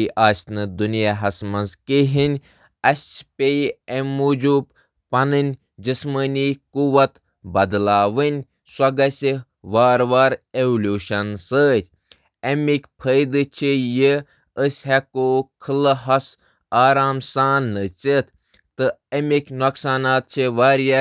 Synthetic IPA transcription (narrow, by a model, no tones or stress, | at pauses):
iʔaːsʲnɨd̪unjaɦɐsmɐnzkiɦinʲ | ɐsʲt͡ʃpʲeemuːd͡ʒuːb | pɐnɨnʲ | d͡ʒɨsməːniːkuʋɐt̪ | bɐd̪laːʋɨnʲ | sʷɐɡɐsʲi | ʋaːɾʋaːɾeʋulʲjuːʃɐnsəːt̪ʲ | ɐmikʲpʰəjd̪ɨt͡ʃʰiji | əsʲɦɛkoːkʰɨlɨɦɐs | aːɾaːmsaːnːɨt͡sit̪ | t̪ɨɐmikʲnoksaːnaːt̪̚t͡ʃʰiʋaːɾja